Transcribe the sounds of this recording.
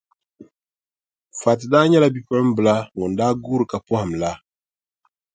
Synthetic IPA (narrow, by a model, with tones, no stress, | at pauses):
fa˨tɨ˨daː˦ɲɛ˦la˦bi˦pɔ˦ɾɨ˦m̩˦bɨ˨la˦ŋɔ˨n˨daː˦ɡuː˦ɾɨ˨ka˨pɔ˦ha˨m̩˨la˦